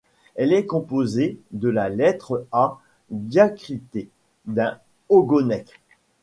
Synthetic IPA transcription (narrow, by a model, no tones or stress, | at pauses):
ɛlɛkɔ̃pozed̪əlalɛt̪χəa | d̪jakχit̪e | d̪ɛ̃ | oɡonɛk